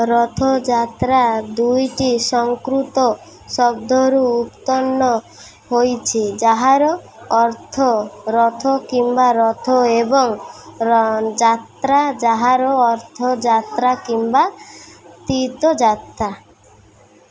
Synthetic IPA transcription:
ɾɔt̪ʰod͡ʒat̪ɾad̪ujʈisɔŋkɾut̪ɔ | sɔɡ̚d̪ʱoɾuːpt̪ɔnːɔ | hojt͡ʃʰid͡ʒaɦaɾɔ | ɔɾt̪ʰɔɾɔt̪ʰokimbaɾɔt̪ʰoebɔŋ | d͡ʒat̪ɾad͡ʒaɦaɾɔɔɾt̪ʰɔd͡ʒat̪ɾakimba | t̪it̪ɔd͡ʒat̪ɾa

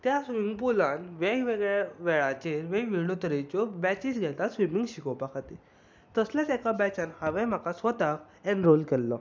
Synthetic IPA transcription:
t̪jasʋimiŋɡpulãnʋejʋeɡɭaʋɛɭat͡ɕeɾʋeʋiɭɽot̪əɾet͡ɕɔbɛt͡ɕisɡʱɛt̪asʋimiŋɡɕikɔpakʰat̪i | t̪əslat͡sɛkabɛt͡ɕãnhaʋɛm̤akasʋət̪ak | ɛ̃ɳɖɾolkɛlːɔ

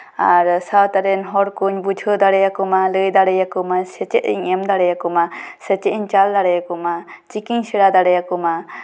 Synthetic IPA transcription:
aɾsawt̪aɾɛnɦɔɾkuɲbud͡ʒʱɯd̪aɽɛjakɔmalɯjd̪aɽɛjakɔmasɛt͡ʃɛʔḭɲɛmd̪aɽɛjakɔmasɛt͡ʃɛiɲt͡ʃald̪aɽɛjakɔmat͡ʃikiɲsiɽad̪aɽɛjakɔma

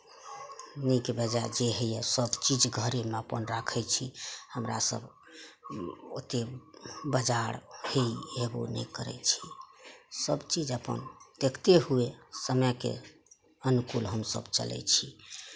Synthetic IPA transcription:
nikbəd͡ʒad͡ʒeɦəjasəbt͡ʃid͡ʒɡʱəɾemeəpənɾakʰɛt͡ʃʰihəmɾa̰sə̰b | ot̪ebəd͡ʒaɾheieɡo̰nɛ̰kəɾɛ̰t͡ʃʰi | səbt͡ʃid͡ʒəpə̰nd̪̥ekʰt̪eɦuesəməkḛ | ənukulɦəmsə̰bt͡ʃə̰lɛ̰t͡ʃʰi

